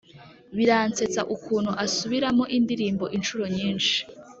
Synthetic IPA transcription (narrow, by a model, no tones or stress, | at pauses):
βiɾaːnt͡se̞t͡sa̰ʔukʰuːn̥huʔasuβiɾamoʔindiɾiːmbo̞ʔinʃuɾo̞ɲiːnʃi̥